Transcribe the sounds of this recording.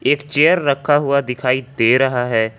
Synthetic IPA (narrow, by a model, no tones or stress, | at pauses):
eːkt͡ʃeːəɾːəkʰːaɦʊad̪ɪkʰaːid̪eːɾəɦaɦɛː